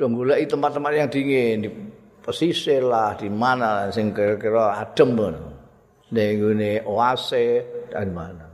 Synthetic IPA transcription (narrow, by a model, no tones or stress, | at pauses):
d̥ɔ̤ŋɡulaʔit̪əmpat̪ːəmpat̪̚jaŋd̪̥iŋendi | pəsiselahd̪̥imanalasɪŋkkiɾɔad̥ə̤mən | neŋɡuneoasead̪imana